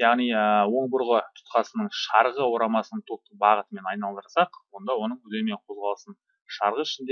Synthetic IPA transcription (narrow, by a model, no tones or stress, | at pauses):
jɑʁnijəwo̞ɴbʊɾʁət̪ʰʊ̥t̪qɑsənəɴʃɑɾʁəwo̞ɾɑmɑsənəɴt̪ʰot̪əbɑʁət̪əme̞nɑjnɑlˠd̪əɾsɑqwo̞nd̪ɑwo̞nəɴɵd̪eme̞ɴqʰo̞zʁɑlˠəsən | ʃɑɾʁəɪʃɪnd̪e